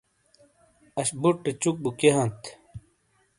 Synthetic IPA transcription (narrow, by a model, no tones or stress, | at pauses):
ɐɕbuʈːet͡ɕuk̚bukeɦɐnt̪